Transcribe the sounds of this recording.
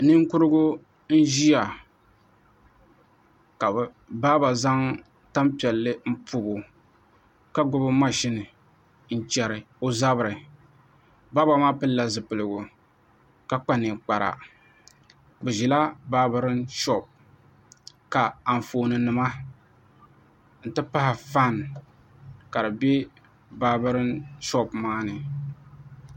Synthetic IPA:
nɨ˦ŋkʊ˦ɾɨ˦ɡʊ˦ | n̩˦ʒi˦ja˨ | ka˨b | baː˦ba˨za˦ŋ | ta˦mpi˨ɛ˨lːɨ˦m̩˦pu˦bo˨ | ka˦ɡʊ˦bɨ˦ma˦ʃɪ˦nɨ˨ | n̩˦t͡ʃɛ˨ɾɨ˨ | o˦za˦bɨ˨ɾɨ˨ | ba˦ba˨maː˦pɨ˦lla˨zɨ˨pɨ˨lɨ˨ɡʊ˨ | ka˨k͡pa˦nɨ˨k͡pa˨ɾa̰˨ | bɨ˨ʒi˨la˦ba˦bɨ˦ɾɨ˦nʃɔ˦p̚ | ka˨a˨ɱ˨foː˨nɨ˨nɨ˨ma˦ | n̩˨tɨ˦pa˦hɪ˨fa˦˨n | ka˨dɨ˨be˦ | baː˦bɨ˦ɾɨ˦nʃɔ˦pmaː˦nɨ˨

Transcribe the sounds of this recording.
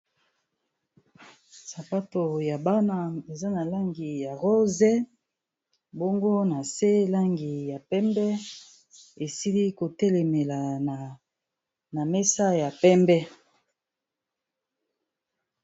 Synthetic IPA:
sa˨pa˦to˨ja˨ba˦na˦e˨za˦na˨la˦ŋɡi˨ja˨ʁo˦zɛ˦ | bo˦ŋɡo˦na˨se˦la˦ŋɡi˨ja˨pɛ˦mbɛ˦ | e˨si˦li˦ko˨tɛ˦le˨me˨la˨na˨ | na˨me˦sa˦ja˨pɛ˦mbɛ˦

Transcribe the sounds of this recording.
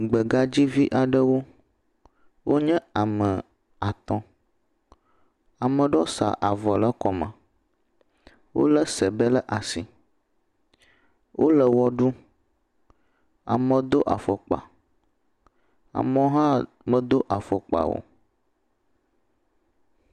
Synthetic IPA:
ɡ͡bə˨ɡa˦d͡ʑi˦vi˦ʔa˨ɖə˦wo˦ | wʔo˦ɲɛ̃˦a˨mə˨ | a˨t̪ɔ̃˦ | a˨mə̃˨ɖɔ˦sa̰˨ʔa˨vɔ˨lə˦kɔ˨mã̰˨ | wʔo̰˦lə˦sə˨bə˦lə˦ʔa˨si˨ | wʔo˦lə˨wɔ˦ɖu˦ | a̰˨mə̃˨d̪o˦ʔa̰˨fɔ˨k͡pa̰˨ | a̰˨mɔ̃˦ɦã˦ | mə̃˨d̪o˦ʔa˨fɔ˨k͡pa̰˨wo̰˨

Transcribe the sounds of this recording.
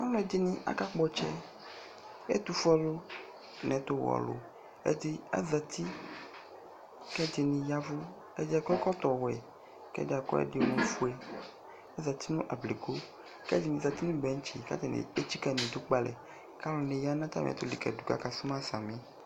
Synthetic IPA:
a˦lɔ˦˨d̪i˦nĩ˦ʔa̰˨ka˦k͡pɔ˦t͡ʃɛ̰˦ | ḛ˦t̪u˨fɔ˦lo˦ | nɛ̃˨t̪o˦wɔ̰˨lo̰˨ | ḛ˦d̪i˦a̰˨za˨t̪ʰi˦ | kɛ˦d̪i˨nĩ˨ja˦vo˦ | ḛ˦d̪i˦a˨kɔ˦kɔ˦t̪ɔ˨wɛ̰˨ | kɛ̰˦da˨kɔ̰˦ɛ̰˦ɖi˦nõ˨˦fu˦ɛ˦ | a˦za˨t̪i˦nũ˦ʔa˨ble˨ko˦ | kɛ˦d̪i˨nĩ˨za˨t̪i˦nũ˦bɛ˨˦ŋ˦t͡ʃḭ˨ka̰˦t̪ɛ˨n̰˨e˦t͡ʃi˦kɛ˦˨nĩ˨d̪u˦k͡pa˨lɛ̰˨ | ka˦lɔ˨nẽ˨ja˦nã˦t̪a̰˦m̰˨t̪o˦li˨kɛ̰˨du˨ka̰˦ka˨su˦mã˦sa˨mĩ˦

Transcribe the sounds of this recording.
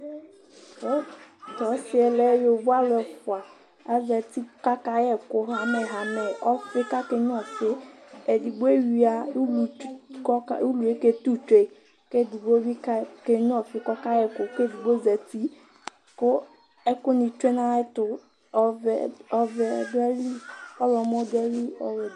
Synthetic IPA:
tɔ˨˦sɪ˦ɛ˨lɛ˦jo˨bu˦a˦lʊ˨ɛ˨fʊ˨a˨ | a˨˦zɛ˨ti˦ka˦ka˦jɛ˦kʊ˦ɦa˨mɛ˨ɦa˨˦mɛ˨ɔ˦fɪ˦ka˦ke˦ɲ˦ɔ̃˦˨fɪ˦e˨di˨ɡ͡be˦wi˨˦a˨u˦lu˨˦ka˦u˦lu˨e˦ke˦t̪u˦t͡ʃe˨ | ke˦˨di˨ɡ͡bo˦bi˦ka˦ke˦ɲ˦ɔ̃˦fɪ˦kɔ˦ka˦jɛ˦˨kʊ˨ke˦˨di˨ɡ͡bo˦zɛ˨ti˦ | kʊ˦ | ɛ˦kʊ˦nĩ˨t͡ʃe˦nã˦ɛ˦tʊ˨ | ɔ˨vɛ˨ɔ˦vɛ˨dʊ˦ɛ˦li˦ɔ˦lɔ˨mɔ˦dɛ˦li˦ɔ̰˨w

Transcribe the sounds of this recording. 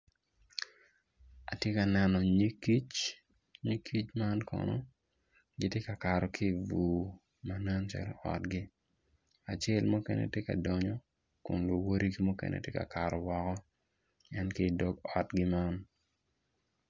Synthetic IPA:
a̰˨tje˦ka˨nɛ˨nɔ˨ɲi˦ki˦t͡ʃ | ɲi˦kʰi˦t͡ʃma˦nkʰɔ̰˨nɔ̰˦ | ɡɪ˦tje˦ka˨ka˨ɾɔ˨kʰi˦˨vu˨ | ma˨na˦nt͡ʃa̰˦l̰ɔ̰˨tɡɪ˦ | a˨t͡ʃe˦˨lmu˦kɛ̰˦nɛ̰˨tje˦ka̰˨dɔ˨ɲɔ˦ | kʊ˨nlo˨wo˦ɾʔi˦ɡi˦mu˦kɛ̰nʔḛ˨tje˦ka̰˨ka˨ɾɔ˨wɔ˨kɔ˦ | ɛ˦nke˦˨dɔ˦ɡɔ˨tɡɪ˦ma˦n

